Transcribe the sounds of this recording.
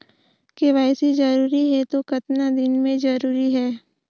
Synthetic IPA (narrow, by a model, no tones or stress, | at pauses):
keʋaːɪsid͡ʒɐɾuːɾiɦɛt̪okɐt̪nad̪ɪnmẽd͡ʒɐɾuːɾiɦɛː